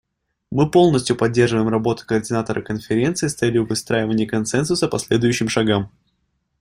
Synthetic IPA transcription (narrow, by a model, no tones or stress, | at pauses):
mɨpo̞lˠnəsʲtʲjʊpɐdʲːe̞rʐɨvəjɪmrɐbo̞t̪ʊ̥kəːrdʲɪnat̪əɾə̰kənfʲɪɾʲe̞nt̪sɨɪːst̪sɛlʲɪjʊvɨst̪ɾajɪvənʲɪjəkɐnsɛnsʊsəpɐsʲlʲed̪ʊjʉɕːɪmʂɐɡam